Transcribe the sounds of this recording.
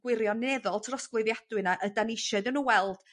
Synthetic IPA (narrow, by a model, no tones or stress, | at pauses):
ɡ̥wɪɾjɔnɛðɔlˠtʰrɔsɡwɪðjad̥wɨnaʔədanɪʃɔdənuwɛlˠd̥